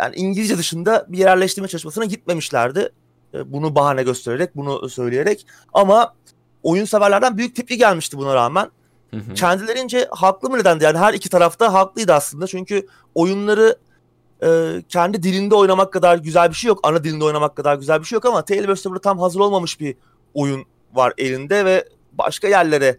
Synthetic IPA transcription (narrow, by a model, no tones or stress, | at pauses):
ja̰ːnḭʔiɲɟilʲid͡ʒɛd̪ɯʃɯnd̪abijeɾæɾlʲɛʃt̪iɾmɛt͡ʃʰalˠɯʃmasɯnaɟit̪̚me̞miʃlʲæ̰ɾd̪ɪ̰ | bunubaɦanɛɟø̞st̪ʰe̞ɾe̞ɾɛc̚bunusø̞jlʲijeɾɛc | ama | o̞junsevæɾlʲæɾd̪ænbyjyc̚t̪ʰip̚lʲiɟælʲmiʃt̪ibunaɾa̰ːmæn | cʰɛnd̪ilʲe̞ɾind͡ʒɛhaklˠɯmɯned̪ænd̪ijaːniɦæɾicʰi̥t̪ʰaɾaft̪aɦaklˠɯjd̪ɯaslˠɯnd̪at͡ʃʰyɲcʰy | o̞junlˠaɾɯ | ɯːcʰɛnd̪id̪ilʲind̪ɛo̞jnamakːad̪aɾɟyzælʲbiʃejo̞ka̰nad̪ilʲind̪ɛo̞jnamakːad̪aɾɟyzælʲbiʃejo̞kamat̪ʰelʲbøst̪ɛbuɾat̪ʰamɦazɯɾo̞lˠmamɯʃbi | o̞jun | va̰ɾe̞lʲind̪ɛvɛ | ba̰ʃkajæɾlʲe̞ɾɛ